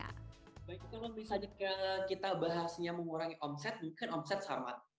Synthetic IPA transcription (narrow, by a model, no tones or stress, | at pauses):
baɪkːalomisad͡ʒakakit̪abaɦasɲaməŋuɾaŋiʔɔmsɛt̪̚muŋkɪnɔmsɛt̪̚sa̰ma̰